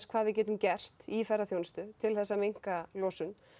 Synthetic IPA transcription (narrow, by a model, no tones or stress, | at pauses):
skʰv̥aːðvɪðcɛːt̪ʏmcɛr̥t̪ifɛraθjownst̪ʏt̪ʰɪlθɛsːamejŋ̥kalɔːsʏn